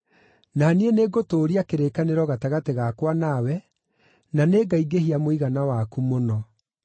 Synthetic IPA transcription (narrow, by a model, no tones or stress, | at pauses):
nanieneɡotoːɾiakeɾekaneɾɔɣataɣateɣakwanawɛ | naneːɡaiɡeɦiamoiɣanawakumonɔ